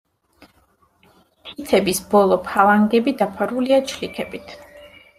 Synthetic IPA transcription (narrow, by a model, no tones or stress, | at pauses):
t̪ʰit̪sʰɛbisb̥ɔlˠɔpʰalˠaŋɡɛbid̪apʰaɾuliat͡ʃʰlikʰɛbit̪ʰ